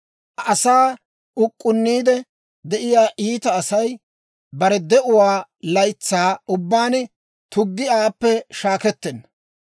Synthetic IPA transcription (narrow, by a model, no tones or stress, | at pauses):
ʔɐsaː | ʊkʼːʊnːiːd̪ɛ | d̪ɛʔɪjaːʔiːt̪ɐːsɐj | bɐɾɛd̪ɛʔʊwaːlɐjt͡sːaːʊbːaːn | t̪ʊɡːɪaːpːɛʃaːkɛt̪ːɛnːɐ